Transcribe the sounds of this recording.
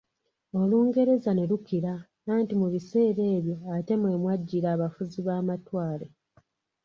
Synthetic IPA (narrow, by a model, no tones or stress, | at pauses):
o̞luːŋɡe̞ɾe̞zane̞lukiɾa | naːntimuβise̞ːɾe̞ːβjo̞ate̞mwe̞ːmwaɟːiɾaːβafuziβaːmatwaːle̞